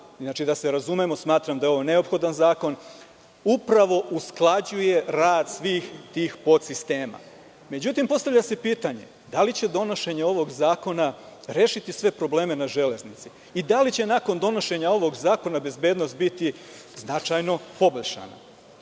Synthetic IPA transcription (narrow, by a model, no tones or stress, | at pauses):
znat͡ʃid̪ase̞ɾazume̞mo̞smaːt̪ɾamd̪ajeo̞ʋone̞o̞pxo̞d̪anzaːko̞n | upɾaʋo̞ʔusklˠad͡ʑuje̞ɾaːd̪sʋiːxt̪iːxpot̪sist̪e̞ːma̰ | me̞d͡ʑut̪impo̞st̪avʎase̞piːt̪aɲe̞̰ | d̪alit͡ɕe̞d̪o̞no̞ʃe̞ɲeo̞ʋo̞ɡzaːko̞naɾeːʃit̪isʋe̞pɾo̞ble̞ːme̞naʒe̞le̞znit̪si | id̪alit͡ɕe̞nako̞nd̪o̞no̞ʃe̞ɲao̞ʋo̞ɡzaːko̞nabe̞zbe̞ːd̪no̞st̪̚bit̪i | znat͡ʃajno̞po̞boʎʃa̰na̰